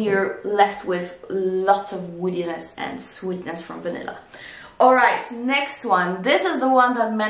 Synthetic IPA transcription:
jɪɹlɛft̚ʰwɪðlɔtsʌvwɪɾinɨsɨ̰̃nswitⁿnɨsfɹʌ̃ɱvɨnɪ̰lˠə̰ | ɔlˠɹaɪtnɛkst̚wʌ̃nðɪsɨzðəwʌ̃nðət̚mɛ̃

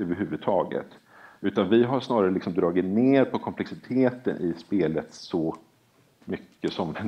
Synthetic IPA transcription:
øːvəɾɦʉvɵd̪̚t̪ʰɑːɡə̰t̪ | ʉ̟ːt̪anvɪɦaʂnɑːɾaɾəlɪksɔmd̪ɾɑːɡɪt̪neːɾpʰɔkʰɔmpʰlɛksɪt̪ʰeːt̪ənʔɪspeːlət̪sɔ | mʏkːəsɔmɛ

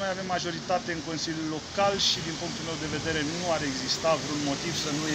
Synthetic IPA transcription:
ojave̞mːaʒo̞ɾit̪at̪e̞ɨŋko̞nsilʲjulːo̞kalʃid̪inpuŋkt̪ulmewd̪e̞ve̞d̪e̞ɾe̞nuaɾe̞ɡzist̪avɾunmo̞t̪iv̥sənue

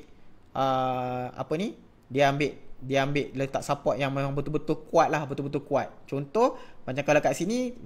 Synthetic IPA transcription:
ʔəa̰pəni | diaambɪʔ̚diambɪʔlət̪aʔsapɔʔ̚jaŋmemaŋbət̪ulbət̪ulkuat̪̚lahbət̪ulbət̪ulkuat̪̚t͡ʃɔnt̪ɔhmat͡ʃamkalokaʔ̪̚sini

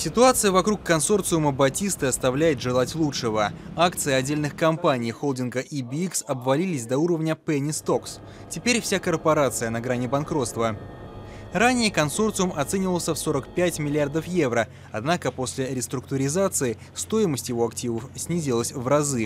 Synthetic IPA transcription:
sʲɪt̪ʊat̪sɨjəvɐkɾukːɐnso̞rt̪sɨʊməbɐtʲist̪ɨɐst̪ɐvlʲæjɪt̪ʐɨlˠatʲlˠutʂɨvəakt̪sɨɪɐdʲːelʲnɨxkɐmpanʲɪjxolˠdʲɪnɡəʔibʲiksɐbvɐlʲilʲɪsʲd̪ɐuɾəvnʲəpɛnʲɪst̪o̞ks | tʲɪpʲeɾʲfsʲakərpɐɾat̪sɨjənɐɡɾanʲɪbɐnkɾo̞t̪st̪və | ɾanʲɪjəkɐnso̞rt̪sɨʊmɐt̪sɛnʲɪvəlˠsʲəfso̞ɾəkpʲætʲmʲɪlʲɪard̪əfje̞vɾə | ɐd̪nakəpo̞sʲlʲɪɾʲɪst̪ɾʊk̚t̪ʊɾʲɪzat̪sɨɪ | st̪o̞ɪməsʲtʲjɪvo̞ɐktʲivəfsʲnʲizʲɪlˠəsʲvrɐzɨ

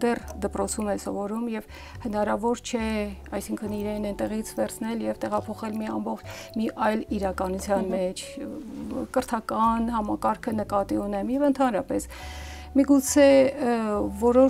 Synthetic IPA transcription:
d̪ɛrd̪əpɾɔt͡sʰumɛsɔvɔɾumjɛv | hənɑɾɑvɔɾt͡ʃʰɛɑjsiŋkʰəniɾɛnɛnt̪ɛʁit͡sʰvɛɾt͡sʰnɛljɛvt̪ɛʁɑpʰɔχɛlmiɑmbɔχt͡ʃʰmiʔɑjliɾɑkɑnut͡sʰjɑnmɛt͡ʃʰ | kəɾt̪ʰɑkɑnhɑmɑkɑɾkʰənəkɑt̪iunɛmjɛvənt̪ʰɑnɾɑpɛs | miɡut͡sʰɛ | vɔɾɔ

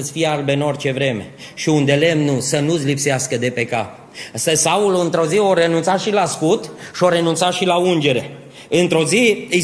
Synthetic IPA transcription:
t̪sʲfijealbeɨno̞rt͡ʃe̞vɾe̞me̞̰ʃiund̪e̞le̞mnusənusʲlipseaskəd̪e̞pe̞ka | səsauluɨnt̪ɾo̞zio̞ɾe̞nunt̪saʃilaskut̪ʃio̞ɾe̞nunt̪saʃilaund͡ʒe̞ɾe̞ | ɨnt̪ɾo̞zi

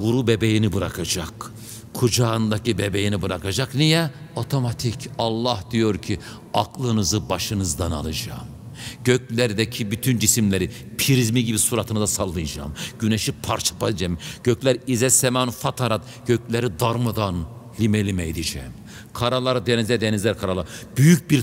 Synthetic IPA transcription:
ɡuɾubebejinibɯɾakʰad͡ʒak | kʰːud͡ʒaɯnd̪acibebejinibɯɾakad͡ʒaknijɛo̞t̪ʰo̞mat̪ʰicʰɑlˠːahd̪̥ijo̞ɾcʰi | aklˠɯnɯzɯbaʃɯnɯzd̪ana̰lˠɯd͡ʒa̰ːm | ɟ̥øc̚lʲæɾd̪ɛcʰibyt̪ʰynd͡ʒisimlʲeɾi | pʰiɾizmiɟibisuɾat̪ʰɯnɯzasalˠːɯjd͡ʒa̰ːmɟ̥ynɛʃipʰaɾt͡ʃʰḁpad͡ʒɛmɟ̥øclʲæɾizɛsɛmanfat̪ʰaɾat̪ | ɟ̥øclʲeɾid̪aɾmad̪an | lʲimɛlʲimɛid̪id͡ʒɛ̰ːm | kʰaɾalˠaɾɯd̪enizlʲɛɾd̪enizlʲæɾkʰaɾalˠaɾb̥yjyc̚biɾ

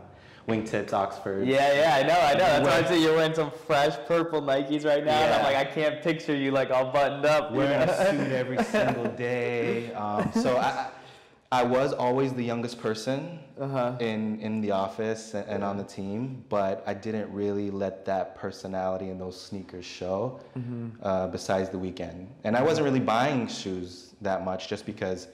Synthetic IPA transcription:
wɪ̃ŋtʰɪpsɑ̰ksfə˞djæjæaɪnoʊaɪnoʊðætsãɪsijə˞wɛ̃nsʌ̃ɱfɹɛʃpʰɜ˞pl̩ˠnaɪkizɹaɪtⁿnaʊ̃ãlaɪkaɪkʰæ̃npʰɪk̚t͡ʃə˞jɨlaɪkɔlˠbʌʔn̩dʌpwĩsʉɾɛvɹisɪ̃ŋɡl̩ˠdeɪʌ̃msoʊaɪa | aɪwʌzɔlˠwizðɨjʌ̃ŋɡɨspʰɜ˞sɨ̃nʌɦʌɪ̃nɪ̃nðiɔfɨsɨ̃ɨ̃nə̃nðɨtʰĩmb̥ʌɾaɪdɪdⁿn̩t̚ɹɪlˠilɛt̪̚ðɨt̚pʰɜ˞sɨnælˠəɾiɨ̃nðoʊz̥snikə˞z̥ʃoʊ | ʔʌbɨsaɪdzðəwikɛ̰̃nd̥ɨ̃ñaɪwʌzɨ̃nt̚ɹɪlˠibaɪɪ̃ŋʃʉz | ðɨt̚mʌt͡ʃd̥ʒ̥ʌsb̥ɨkʰʌz̥

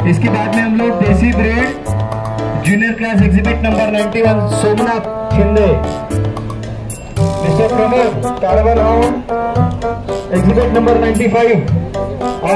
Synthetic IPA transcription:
ɪskebaːd̪mẽɦɐmled̪eːsibɾeːʈ | d͡ʒuːnijəɾklaːsekzɪbɪʈnɐ̃mbəɾnaɪ̃ɳʈiʋɐnsoːmna | t͡ʃʰɪnd̪e | d̪ɪsekɐmeɾt̪aːɽbənɦa | eɡzɪbɪʈnɐ̃mbəɾnaːɪɳʈipʰaːiʋ | ɔː

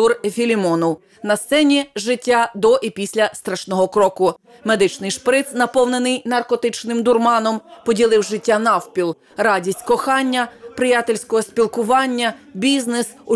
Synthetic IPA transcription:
urfʲilʲimɔnɔw | nɐst̪sɛnʲiʒɪtʲːad̪ɔʔipʲisʲlʲɐst̪ɾɐʃnɔɦɔkɾɔkʊ | med̪ɪt͡ʃnɪjʃpɾɪt̪snɐpɔwnenɪjnɐrkɔt̪ɪt͡ʃnɪmd̪ʊrmɑnɔmpɔdʲilˠɪwʒɪtʲːanɑwpʲilˠ | rɑdʲisʲtʲkɔxɑnʲːɐpɾɪjat̪ɪlʲsʲkɔɦɔspʲilˠkʊʋɑnʲːɐbʲiznesʊ

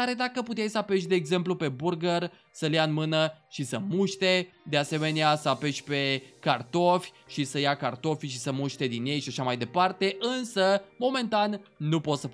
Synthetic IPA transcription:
aɾe̞d̪akəput̪ejsəape̞ʃʲd̪e̞ːɡze̞mplupe̞burɡər | səljaɨnmɨnəʃisəmuʃt̪e̞d̪e̞ase̞me̞neasəape̞ʃʲpe̞kart̪o̞fʲ | ʃisəjakart̪o̞fʲʃisəmuʃt̪e̞d̪inje̞jʃaʃamajd̪e̞part̪e̞ʔɨnsəmo̞me̞nt̪anːupo̞t̪sə

